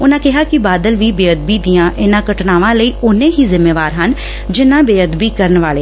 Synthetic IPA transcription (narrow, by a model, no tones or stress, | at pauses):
ʊnãːkɪɦaːkɪbaːd̪əlʋiːbeːəd̪̚biːd̪ɪjãːʔɪnãːkəʈnaːʋãːləiːʊnẽːɦiːzɪmːeːʋaːɾɦən | d͡ʒɪnãːbeːəd̪biːkəɾənʋaːleː